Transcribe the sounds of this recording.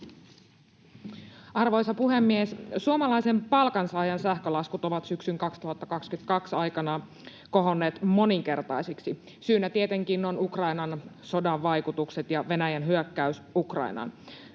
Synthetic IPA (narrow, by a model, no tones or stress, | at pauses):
ɑrʋo̞jsɑpuɦemːiessuomɑlɑjsempɑlkɑnsɑːjɑnsæhkølɑskut̪o̞ʋɑt̪syksyŋkɑkst̪uɦɑt̪ːɑkɑkskynt̪kɑksɑjkɑnɑ | ko̞ɦo̞nːeːt̪mo̞niŋke̞rt̪ɑjsiksi | syːnːæt̪iet̪e̞ŋkinːonukrɑinɑnso̞dɑʋːɑjkut̪ukset̪jɑʋe̞næjænɦyøkːæysukrɑ̰inɑ̰n